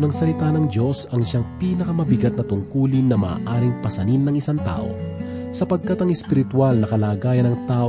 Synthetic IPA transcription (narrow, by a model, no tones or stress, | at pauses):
nɐŋsɐlɪt̪anɐŋd̪o̞sɐŋʃaŋpiːnɐkɐmɐbɪɡɐt̪̚nɐt̪ʊŋkuːlɪnːɐma̰ːʔaːɾɪŋpɐsɐninːɐŋɪsaŋt̪a̰ːʔo̞̰ | sɐpɐɡ̚kat̪ɐŋɛspɪɾɪt̪walnɐkɐlaːɡaːjɐnɐŋt̪aːʔ